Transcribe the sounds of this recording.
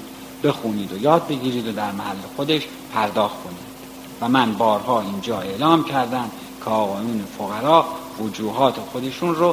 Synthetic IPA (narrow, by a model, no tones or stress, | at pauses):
b̥e̞xuːniːd̪ojɒːd̪̚be̞ɡʲiːɾiːd̪od̪æɾmæhælːe̞xo̞d̪e̞ʃ | pʰæɾd̪ɒːxt̪kʰo̞niːd̪̥ | væmænbɒːɾhɒːiːnd͡ʒɒːe̞lɒːmcʰæɾd̪ænd̪ | cʰeɒːɣɒːjuːne̞foɣæɾɒːvod͡ʒuːɦɒːt̪ʰe̞xo̞d̪e̞ʃunɾo